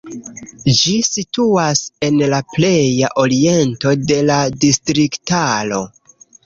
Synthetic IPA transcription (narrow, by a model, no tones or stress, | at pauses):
d͡ʒisituase̞nlaple̞jaʔo̞ɾie̞nto̞de̞ladistɾiktalo̞